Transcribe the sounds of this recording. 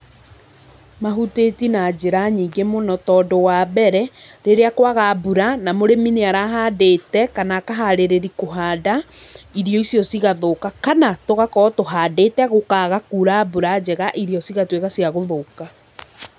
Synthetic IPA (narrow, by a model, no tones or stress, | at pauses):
maɦutetinad͡ʑeɾaɲiːŋɡemonɔtɔːdowaːbɛɾɛɾeɾeakwaɣabuɾanamoɾemineaɾaɦaːdetɛkanakaɦaɾeɾeɾikoɦaːdaiɾjɔisjɔsiɣaðokakanatoɣakɔːtoɦadetɛɣokaːɣakuːɾabuɾad͡ʑɛɣaʔiɾjɔsiɣatweɣasiaɣoðoka